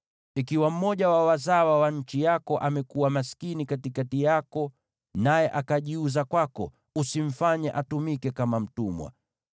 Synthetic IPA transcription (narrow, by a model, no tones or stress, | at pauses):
ikiwam̩mɔʄawawazawawaɲ̩t͡ʃijakɔʔamɛkuwamaskinikatikatijakɔ | najɛʔakaʄiuzakwakɔ̰ | usiɱ̩faɲɛʔatumikɛkamam̩tumwa̰